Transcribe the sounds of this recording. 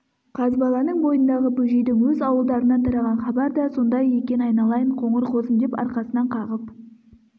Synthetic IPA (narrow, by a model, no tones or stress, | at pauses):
qʰɑzbɑlˠɑnəɴbo̞jənd̪ɑʁəbɵʒe̞jd̪ɪŋwɵzɑwəlˠd̪ɑɾənɑt̪ʰɑɾɑʁɑnχɑbɑɾd̪ɑso̞nd̪ɑjekʲe̞nɑjnɑlˠɑjəɴqʰo̞ɴəɾqʰo̞zəmd̪epɑ̰ɾqɑsənɑɴqʰɑʁəp